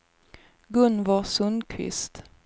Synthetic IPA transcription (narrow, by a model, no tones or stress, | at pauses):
ɡɵnvɑsɵnkʰvɪ̰st̪